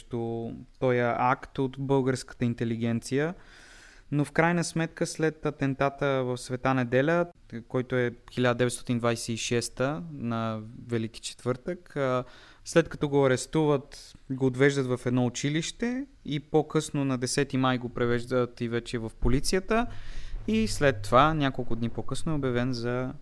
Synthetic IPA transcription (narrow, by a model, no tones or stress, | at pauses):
t̪ot̪ɔjəʔakt̪ot̪bɤlˠɡəɾskə̥t̪əint̪ɛliɡ̟ɛnt̪sijə | nofkɾajnəsmɛt̪kəslɛt̪ɐt̪ɛnt̪at̪əvəfsvɛt̪anɛd̪ɛlʲə | kɔjt̪oɛxilʲad̪əd̪ɛvɛt̪st̪ɔt̪ind̪vajsɛiʃɛst̪ənɐvɛlik̟i̥t͡ʃɛ̥t̪v̥ɤɾt̪əkː | slɛt̪kɐ̥t̪ɔɡoɐɾɛst̪uvət̪ɡoːd̪vɛʒd̪ət̪vɐfɛd̪nɔʊt͡ʃiliʃt̪ɛ | ipokɤsnonɐd̪ɛsɛt̪imajɡopɾɛvɛʒd̪ət̪ivɛt͡ʃɛvɐfpolit̪sijət̪əislɛt̪ːovanʲjakolˠkʊd̪nipokɤsnʊɛobjɐvɛnzɐ